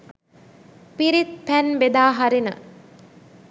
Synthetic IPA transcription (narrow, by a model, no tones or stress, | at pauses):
piɾit̪̚pænbed̪aːɦaɾinə̰